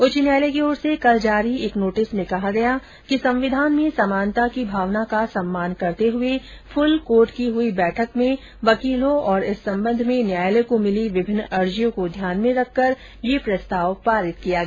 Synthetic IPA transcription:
ʊt͡ʃnjaːjlekeɔːɾsekɐld͡ʒaːɾieːknoːʈɪsmẽkɐɦaɡɐja | kisɐ̃mʋɪd̪ʱaːnmẽsɐmaːnt̪akibʱaːʋnakasɐmːaːnkɐɾt̪eɦʊe | fʰʊlkoːɾʈkiɦʊibɛːʈʰəkmẽ | ʋɐkiːlõɔːɾɪsːɐ̃mbə̃nd̪ʱmẽnjaːjlekomɪliʋɪbʱɪnːɐɾd͡ʒijõkod̪ʱjaːnmẽɾɐkʰːɐɾ | jepɾɐst̪aːʋpaːɾɪt̪kijaɡɐa

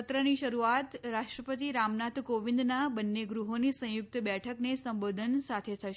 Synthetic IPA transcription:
t̪ɾəniʃəɾuat̪ɾaʃʈɾəpət̪̬iɾamnat̪ʰkoʋĩnd̪nabənːeɡɾuɦonisə̃jʊk̚t̪bɛʈʰəknesəmbod̪ʱənsat̪ʰet̪ʰəʃ

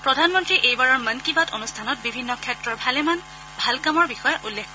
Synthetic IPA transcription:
pɹɔdʱanmɔntɹiʔejbaɹɔɹmənkibatʰonustʰanɔt̚bibʱinːɔkʰɛtɹɔɹbʱalɛman | bʱalkamɔɹbixɔjɔʔulːekʰ

